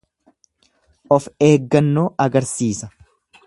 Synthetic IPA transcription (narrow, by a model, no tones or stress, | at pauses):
ʔɔfe̞ːɡːɐnːoːʔɐɡɐɾsiːsɐ